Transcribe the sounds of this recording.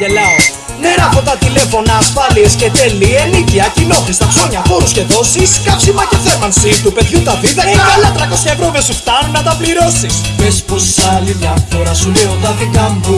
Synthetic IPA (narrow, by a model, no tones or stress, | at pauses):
elɐos | ne̞ɾɐpot̪ɐt̪ile̞fo̞nɐːsfɐlie̞sce̞t̪elieliciɐcilo̞θist̪ɐkso̞ɲɐpo̞ɾusce̞ðo̞siskɐpsimɐceθe̞mɐnsit̪upe̞ðʝut̪ɐðiðɐikɐlɐt̪ɾɐko̞sçɐevɾovesuft̪ɐnunːɐt̪ɐpliɾo̞sis | pesposɐlivɐfoɾɐsuleo̞t̪ɐðikɐmbu